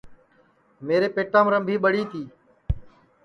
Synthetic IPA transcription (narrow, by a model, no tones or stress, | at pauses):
meːɾeːpeːʈãːmɾəmbʱiːɓəɽiːt̪ʰiː